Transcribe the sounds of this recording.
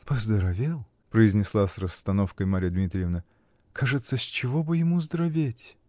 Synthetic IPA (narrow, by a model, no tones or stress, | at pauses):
pəzd̪əɾɐvʲelˠ | pɾəɪzʲnʲɪslˠasrəst̪ɐno̞fkəjmaɾʲɪjəd̪mʲit̪ɾʲɪjɪvnə | kʰaʐɨt̪səsʲt͡ɕɪvo̞bɨjɪmuzd̪ɾɐvʲetʲ